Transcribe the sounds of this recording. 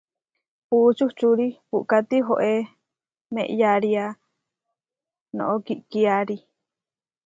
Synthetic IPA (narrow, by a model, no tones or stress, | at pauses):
put͡ʃuht͡ʃuɾipuʔkat̪iɦoʔe | mḛ̃ʔjaɾia | nõ̰ʔokiʔkiaɾi